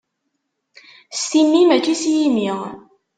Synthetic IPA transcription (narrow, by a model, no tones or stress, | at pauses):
st̪imːimæt͡ʃːisjimiʁ